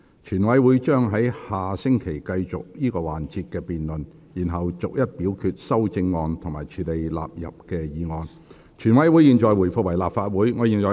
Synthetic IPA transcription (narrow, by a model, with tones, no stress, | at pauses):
t͡ʃʰyː˨˩nwɐ˨˥jwuː˨˧jt͡ʃœː˥ŋɦɐ˨˥jhaː˨sɪ˥ŋkʰe˨˩jkɐ˧jt͡sʊ˨k̚jiː˥kɔː˧waː˨nt͡siː˧t̚kɛː˧piː˨nlɵ˨n | jiː˨˩nɦɐ˨wt͡sʊ˨k̚jɐ˥t̚piː˨˥wkʰyː˧t̚sɐ˥wt͡sɪ˧ŋːɔː˧nt̪ʰʊ˨˩ŋmaː˨˩jt͡ʃʰyː˨le˨jla̰ː˨p̚jɐ̰˨p̚kɛː˧jiː˨˦ŋɔː˧n | t͡ʃʰyː˨˩nwɐ˨˥jwu˨˧˥jiː˨nt͡ʃɔː˨jwu˨˩jfʊ˨˧kwɐ˨˩jlaː˨p̚faː˧t̚wuː˨˥jŋɔː˨˧jiː˨˩nt͡sɔː˨˩